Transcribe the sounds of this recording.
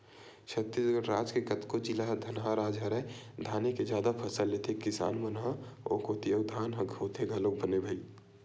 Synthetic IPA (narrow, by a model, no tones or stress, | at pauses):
t͡ʃʰət̪ːisɡəɾɾaːd͡ʒkekət̪kod͡ʒilaɦd̪ʱɐnɦãɾaːd͡ʒʱaɾəjd̪ʱaːneked͡ʒaːd̪apʰəsəlːet̪ʰekɪsa̰ːnmənɦãɔ̰ːkot̪iəʊd̪ʱaːnɦəɡʱɦot̪ʰeɡʱəlok̚bənebʱəi